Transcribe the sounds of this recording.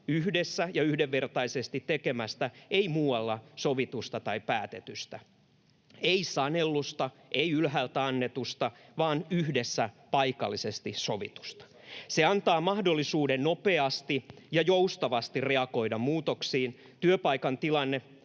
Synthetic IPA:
yhdesːæjɑyhdeʋːert̪ɑisest̪it̪tːekemæst̪æeimuːwɑlːɑsoʋit̪ust̪ɑt̪ɑipæːt̪et̪yst̪æ | eisɑnelːust̪ɑ | ʔeiylɦælt̪æɑnːet̪ust̪ɑʋɑːnyhdesːæ | pɑikɑ̰lːisest̪isoʋḭt̪u̥st̪ɑ̥seɑnt̪ɑːmɑhdolːisuːdennopeɑst̪ijɑjoust̪ɑʋɑst̪ireɑko̞idɑmmuːt̪oksiːn | t̪yøpɑikɑnt̪ilɑnːe

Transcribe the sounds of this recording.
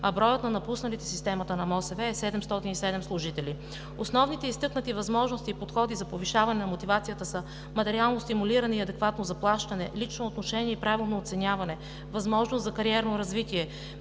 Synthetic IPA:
ɐbɾɔjət̪nɐnɐpusnɐlit̪ɛ̥sist̪ɛmɐt̪ənɐmɔsɛvɛːsɛd̪ɛmst̪ɔt̪inisɛd̪ɛmslˠʊʒit̪ɛli | osnɔvnit̪ɛist̪ɤknɐt̪ivɐzmɔʒnost̪iːpot̪xɔd̪izɐpoviʃavɐnɛnɐmot̪ivat̪sijət̪əsə | mɐt̪ɛɾialˠnost̪imuliɾɐnɛiɐd̪ɛkvat̪nozɐplˠaʃt̪ɐnɛ̰lit͡ʃnoːt̪noʃɛniɛipɾavilˠnoːt̪sɛnʲjavɐnɛ | vɐzmɔʒnost̪zɐkɐɾiɛɾnoɾɐzvit̪iɛ

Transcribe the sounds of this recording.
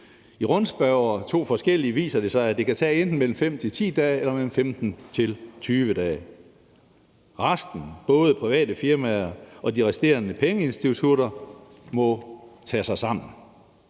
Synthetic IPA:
iʁɔ̽nsb̥æʊɐt͡sʰo̝̰ːfɒ̽sɡ̥el̰iəʋḭːsɐd̥e̝sɑ̈ɪæd̥e̝kʰæt͡sʰɛ̰ːend̥n̩mel̰m̩fem̰t͡sʰe̝lt͡sʰḭːd̥ɛːelɐmel̰m̩femd̥n̩t͡sʰe̝lt͡sʰyːʋəd̥ɛː | ʁasd̥n̩b̥ɔ̽ːð̞ˠəpʰʁiʋɛ̰ːd̥əfiɐmæɐɒ̽d̥iʁɛsd̥e̝̰ɐnəpʰeŋəe̝nsd̥it͡sʰuɾ̥ɐ | mɒ̽t͡sʰɛːsɑ̈ɪsɑ̈m̰n̩

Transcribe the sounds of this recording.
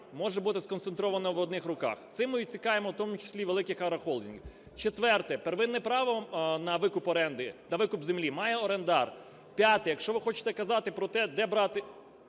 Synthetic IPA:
mɔʒɛbut̪ɪskɔnt̪sent̪ɾɔʋɐnɔʋɔd̪̚nɪxrʊkɑ̰xt̪sɪmːɪʋʲit͡sʲikɑjemɔwt̪ɔmʊt͡ʃɪ̥sʲlʲiʋelˠɪkɪxɐɾɐxɔlˠd̪ʲinɡ | t͡ʃet̪ʋɛrt̪ɛpeɾʋɪnːɛpɾɑʋɔnɐʋɪkʊpɔɾɛnd̪ɪnɐʋɪkʊpzemlʲimɑjɛɔɾend̪ɑr | pʲjat̪ɪjɐkʃt͡ʃɔʋɪxɔt͡ʃɪ̥t̪ɛkɐzɑt̪ɪpɾɔt̪ɛd̪ɛbɾɑt̪ɪ

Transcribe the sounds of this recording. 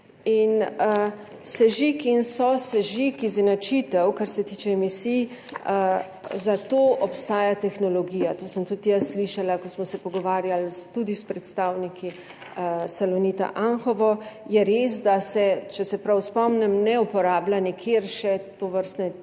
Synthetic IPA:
in | sɛʒikinsɔsɛʒikiznat͡ʃit̪ɛwkaɾsɛt̪iːt͡ʃɛːmisij | zat̪oːʔɔpst̪aːjat̪ɛxnɔlɔɡiːjat̪oːsəmt̪ut̪jasːliʃalakɔsmɔsɛpɔɡɔʋaːɾjalst̪ud̪ispɾɛt̪st̪aːwnikʰi | salɔnit̪a̰ʔanxɔʋɔjɛɾesd̪asɛt͡ʃɛsɛpɾawspɔmnɛmnɛupɔɾaːblanikʰeːɾʃɛt̪oʋəɾst̪nɛ

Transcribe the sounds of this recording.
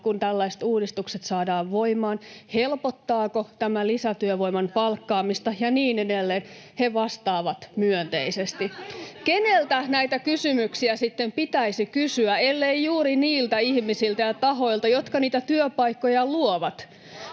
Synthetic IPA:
kunt̪ælːæist̪uːdist̪ukset̪sɑːdɑːʋʋoimɑːnhelpot̪ːɑːkot̪æmælisæt̪yøʋo̞imɑnpɑlkːɑːmist̪ɑjɑniːnedelːeːnheʋɑst̪ɑːʋɑt̪myønt̪ḛisest̪ikenelt̪ænæit̪ækysymyksiæsit̪ːempit̪æisikysyæelːeijjuːɾiniːlt̪æihmisilt̪æjɑt̪ɑɦoilt̪ɑjot̪kɑniːt̪æt̪yøpɑikːojɑluoʋɑt̪

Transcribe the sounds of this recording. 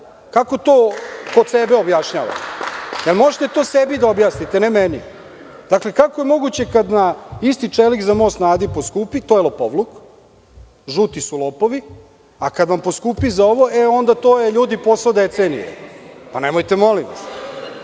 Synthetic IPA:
kako̞t̪oːkod̪sebe̞objaʃɲaːʋa̰t̪jelmo̞ʒet̪e̞t̪o̞ːsebid̪aobjaːsnit̪enemeni | d̪̥akle̞kakoje̞mo̞ɡut͡ɕe̞kad̪naist̪it͡ʂelikzamojsnaːd̪iposkupit̪oːjelˠopoʋluk | ʒut̪isulˠoːpo̞ʋi | akad̪ʋamposkupizao̞ʋo̞ʔeo̞nd̪at̪o̞ːjeʎuːd̪ipo̞sod̪et̪senḭjḛpanemojt̪emo̞limʋa̰s

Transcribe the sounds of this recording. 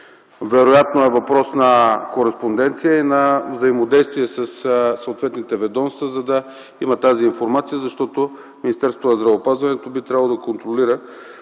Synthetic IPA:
vɛɾojat̪noɛvɐpɾɔsnɐkoɾɛspond̪ɛnt̪sijəinɐvzɐimod̪ɛjst̪viɛsɐssɐəot̪vɛt̪nit̪ɛvɛd̪ɔnst̪vəzɐd̪ɐ | imɐt̪aziːnfoɾmat̪sijəzɐʃt̪ɔt̪o | minist̪ɛɾso̥t̪onɐzd̪ɾɐvəːpazvɐnɛt̪obit̪ɾʲabvəlˠod̪ɐkont̪ɾoliɾə

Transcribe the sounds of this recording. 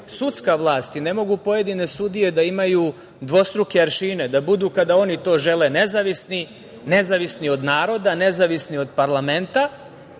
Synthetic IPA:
sut̪skaʋlˠaːst̪ine̞mo̞ɡupo̞je̞d̪ine̞sud̪ije̞d̪aimaju | d̪ʋo̞st̪ɾukeaɾʃiːne̞d̪abud̪uːkad̪ao̞nit̪o̞ːʒe̞lene̞zaʋisni | ne̞zaʋisnio̞d̪naːɾo̞d̪ane̞zaʋisnio̞d̪paɾlˠame̞nt̪a

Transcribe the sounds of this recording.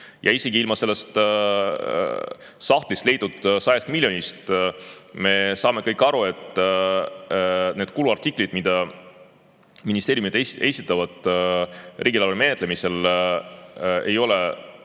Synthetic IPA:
jʔɑiseɡiilmɑse̞lːe̞st̪ | sɑht̪list̪le̞jd̪ud̪̥sɑjest̪miljo̞nʲist̪ | me̞sɑːme̞kɤjkːɑɾue̞t̪ˑ | ne̞ːd̪̥kuluɑrt̪ikˑlid̪̥mid̪̥ɑ | minist̪e̞ːɾjumid̪eesit̪ːˑɑvɑd̪̥ | riːɡ̥ʲilɑlulme̞et̪ːˑle̞mise̞l | e̞jo̞le

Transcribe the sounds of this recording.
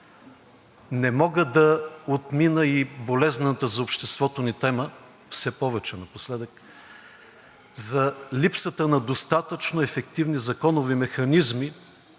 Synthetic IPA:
nɛmɔɡəd̪ɐot̪minəibolɛznət̪əzɐopʃt̪ɛst̪vɔt̪onit̪ɛmə | fsɛpɔvɛt͡ʃɛnɐposlɛd̪ək | zɐlipsət̪ənɐd̪ost̪at̪ət͡ʃnoɛfɛk̚t̪ivnizɐkɔnovimɛxɐnizmi

